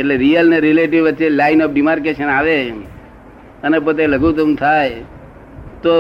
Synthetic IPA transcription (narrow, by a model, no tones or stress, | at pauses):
eʈleɾiəlneɾileʈiʋʋətːʃelajnɔfɖimaɾkeʃənaʋe | ənepot̪̬eləɡut̪̬əmt̪ʰaj | t̪o